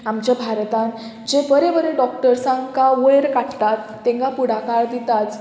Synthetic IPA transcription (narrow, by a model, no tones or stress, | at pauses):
amt͡ɕjabʱaɾt̪ãn | d͡ʑebəɾebəɾeɖɔkʈəɾsãŋɡkaʋəɭɾkaʈt̪at̪ːẽŋɡapuɽ̤akaɾd̪it̪at͡s